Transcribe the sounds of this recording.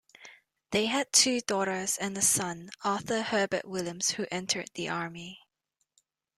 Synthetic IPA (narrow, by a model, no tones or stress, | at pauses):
ðeɪɨd̚tʰʉːdɔɾə˞zɛ̃nəsʌ̃nɑθəhɜːbə̰ʔwɪljə̃mz̥huʔɛ̃ntʰə˞d̪̚ðiʔɑɹmi